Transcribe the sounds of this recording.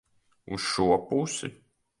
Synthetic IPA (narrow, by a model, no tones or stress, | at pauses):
usʃuɔpusɪ